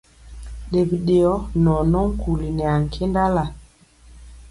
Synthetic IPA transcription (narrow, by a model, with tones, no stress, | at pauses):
ɗe˨bi˨ɗe˨ɔ˦nɔ˨nɔ˦ŋ̩˦ku˨li˨nɛ˨a˨ŋ̩˨kʰe˦nda˦la˨